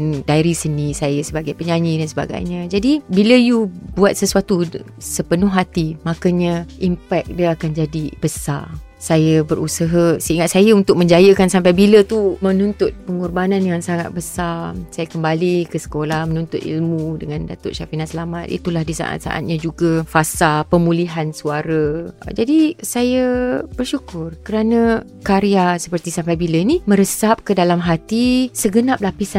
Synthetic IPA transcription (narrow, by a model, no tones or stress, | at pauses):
ndaiɾisənĩsajasəbaɡajpəɲaɲidansəba̰ɡa̰jɲə̃d͡ʒadibiləjubuat̪̚səsuat̪u | səpənʊɦat̪imakaɲəʔimpɛk̚diəakand͡ʒadib̥əsa̰ | sajəbəɾʔusəɦəsəiŋat̪̚sajəunt̪ʊk̚mə̃ɲd͡ʒajəkansampajbilət̪umə̃nunt̪ʊt̪̚pəŋɔrbanãnjaŋsaŋat̪̚bəsasajakəmbalikəsə̥kolahmənunt̪ʊt̪ḭlmũdəŋandat̪ʊ̰ʔʃafinasəlamat̪̚ʔḭt̪ulahdisa̰ʔa̰t̪̚sa̰ʔa̰t̪̚ɲad͡ʒuɡafasapəmũliɦansuaɾə̰d͡ʒadisajəb̥ərʃukʊrkəɾanə̃ | kaɾiasəpərt̪isampajbilənimə̃ɾəsap̚kədalamɦat̪isəɡənap̚lapisa